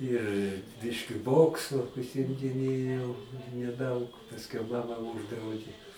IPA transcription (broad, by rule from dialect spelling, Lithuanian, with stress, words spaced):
ɪr ˈbʲɪʃʲkʲɪ ˈboːksʊ ʊʃʲsʲɪmʲdʲɪˈnʲeːjɛʊ nʲɛˈdɐʊk pɐsʲˈkʲɛʊ ˈmɑːmɐ ˈuːʒdrɐʊdʲeː